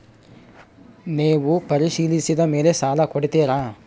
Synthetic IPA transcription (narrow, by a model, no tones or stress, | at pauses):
neːʋupɐɾiʃiːlisid̪ɐmeːlesaːlɐkoɽit̪eːɾaː